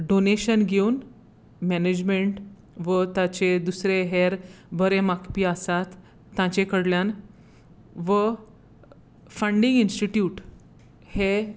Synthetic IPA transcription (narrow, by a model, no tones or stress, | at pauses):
ɖoneɕənɡʱeun | mɛned͡ʑmeɳʈ | ʋət̪at͡ɕed̪usɾeɦeɾbʱəɾemakpiəsat̪ː | ãt͡ɕekəɽljan | ʋə | fəɳɖĩŋɡinsʈiʈjuːʈ | he